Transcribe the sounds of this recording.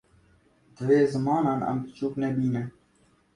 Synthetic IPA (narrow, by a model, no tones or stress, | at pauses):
d̪ʋeːzəmɑːnɑnɐ̰mt̪t͡ʃuːknebiːne